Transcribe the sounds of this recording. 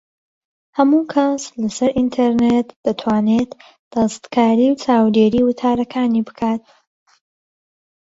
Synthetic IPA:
hɐmuːkʰɐslɐsɐɾʔint̪ʰeɾnet̪d̪̥ɨt̪ʰwaːneːt̪ | d̪̥ɐst̪kʰaːɾiːwt͡sʰaːwd̪eːɾiːwʊt̪ʰaːɾɐkʰaːnibɨkʰaːt̪̚

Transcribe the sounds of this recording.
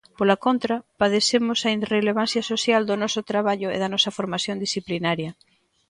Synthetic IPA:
polakont̪ɾɐpaðesemʊsɐinreleβ̞an̟θjɐsosjald̪onɔsʊt̪ɾaβaʎʊḛðɐnɔsɐfoɾmaθjond̪isθiplinaɾjɐ

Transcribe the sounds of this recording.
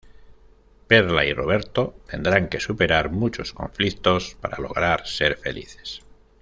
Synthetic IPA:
peɾlairo̞β̞e̞ɾt̪o̞t̪e̞nd̪ɾaŋke̞supe̞ɾaɾmut͡ʃo̞sko̞̰ɱflikt̪o̞spaɾalo̞̰ɣ̞ɾaɾse̞ɾfe̞̰lḭθe̥s

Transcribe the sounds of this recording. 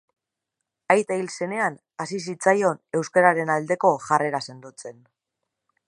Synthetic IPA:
ajt̪ailse̞ne̞an | asisit͡sajo̞ne̞wskaɾaɾe̞nald̪e̞ko̞ʝare̞ɾase̞nd̪ut͡se̞n

